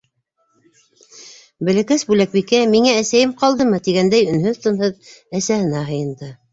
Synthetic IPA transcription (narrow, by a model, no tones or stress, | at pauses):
bɘ̆lækæsbʉlæk̚bikæmiŋæːsæjɘmqɑlˠd̪ɤmɤt̪iɡænd̪æjɵ̆nhɵðt̪ɤ̆nhɤðæsæhɘ̆næɦɤ̆jɤ̆nd̪ɤ